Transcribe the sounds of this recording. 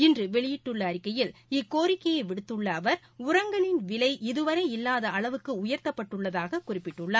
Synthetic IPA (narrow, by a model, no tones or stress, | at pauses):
ɪndrɯʋɛɭɪjɪʈːɯɭːɐːɾɪkːɐjɪlɪkːoːɾɪkːɐjɐɪʋɪɽɯt̪ːɯɭːɐːʋɐɾ | ʊɾɐŋɡɐɭɪnʋɪlɐɪʔɪðɯʋɐɾɐɪɪlːaːðɐʔɐɭɐʋɯkːɯʊjɐɾt̪ɐpːɐʈːɯɭːɐðaːɣɐkʊrɪpːɪʈːɯɭːaː